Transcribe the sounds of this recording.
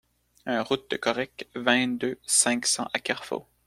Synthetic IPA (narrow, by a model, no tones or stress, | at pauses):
ɛ̃ʁut̪̚d̪əkɔʁɛkvɛ̃d̪øsɛ̃ksɑ̰̃ʔakʲɛʁfo̰